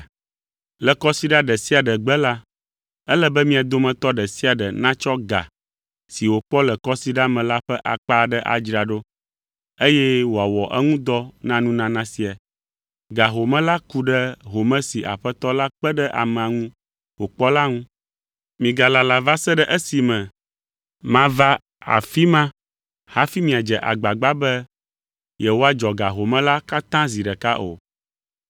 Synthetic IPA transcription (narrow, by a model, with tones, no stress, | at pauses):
lə˨kɔ˦si˦ɖa˦ɖə˨si˦a˨ɖə˨ɡ͡bə˦la˦ | ə˦lə˦bɛ˦mĩ˦a˨d̪o˦mɛ̃˨t̪ɔ˦ɖə˨si˦a˨ɖə˨nã˦t͡ʃɔ˦ɡa̰˨ | si˨wo˨k͡pɔ˦lə˨kɔ˦si˦ɖa˦mɛ̃˨la˦ɸɛ˦ʔa̰˨k͡pa˦ɖə˦ʔa̰˨d͡ʒɾa˨ɖo˦ | e˦jɛ˦wo˨a˨wɔ˨ʔɛ˦ŋũ˦d̪ɔ˦nã˦nũ˦nã˦nã˦si˨a˨ | ɡa˨ɦo˨mɛ̃˦la˦ku˦ɖə˦ɦo˨mɛ̃˦si˨ʔa̰˨ɸɛ˦t̪ɔ˦la˦k͡pɛ˦ɖɛ˦ʔa̰˨mɛ̃˨a˨ŋũ˦ | wo˨k͡pɔ˦la˦ŋũ˦ | mĩ˨ɡa˨la˨la˨va˦sɛ˦ɖɛ˦ʔɛ˦si˨mɛ̃˨ | mã˦va˦ | a̰˨fi˦mã˦ | ha˦fi˦mĩ˨a˨d͡ʒɛ˨ʔa̰˨ɡ͡ba˨ɡ͡ba˦bɛ˦ | jɛ˨wo˦a˦d͡ʒɔ˨ɡa˨ɦo˨mɛ̃˦la˦ka˦t̪ã˦zi˨ɖɛ˨ka˦ʔo̰˨